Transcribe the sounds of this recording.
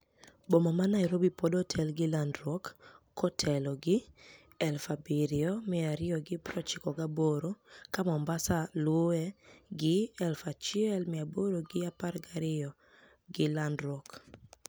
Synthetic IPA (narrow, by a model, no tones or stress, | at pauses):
bomamanaiɾobipɔdɔtʰɛlɡɪlandɾwɔkː | ɔtʰɛlɔɡɪ | ɛlfabiɾɪɔmɪaɾɪɔɡɪpɾɔt͡ʃɪkɔɡaboɾokamɔmbasalwoɛɡɪɛlfat͡ʃɪɛlmɪaboɾoɡɪaparɡaɾɪɔ | ɡɪlandɾɔk